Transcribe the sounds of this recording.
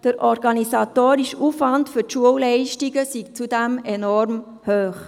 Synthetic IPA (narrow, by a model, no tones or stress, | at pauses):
d̥əɾʔɔɾɡɑnisɑtoːɾiʃufʋɑndfyɾtʃuəwlɛɪʃtiɡəsiɡt͡sudæmɛnɔɾm | høːχ